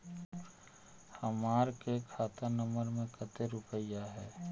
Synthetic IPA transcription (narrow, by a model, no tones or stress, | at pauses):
həmaːɾkekʰaːt̪anə̃məɾmẽkət̪eɾʊpəjaɦɛː